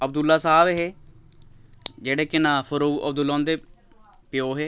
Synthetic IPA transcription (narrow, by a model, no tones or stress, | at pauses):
əb̚d̪ʊlːaːsaːbɦeː | d͡ʒeːɽeːkɪnãːpʰəɾoːɡə̰b̚d̪ʊlːãːnd̪eː | pɪjoːɦeː